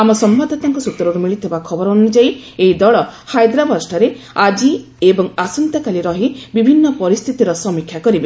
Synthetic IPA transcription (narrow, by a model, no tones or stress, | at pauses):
amɔsɔmbad̪ʱɔt̪aŋkɔsut̪ːɔɾɔɾumiɭit̪ʰibakʰɔbɔɾɔːnud͡ʒaieid̪ɔɭɔhajd̪ɾabɔɾsʈaɾe | ad͡ʒi | ebɔŋasɔnt̪akaliɾɔɦibibʱinːɔpɔɾist̪ʰit̪iɾɔsɔmikʰjakɔɾibe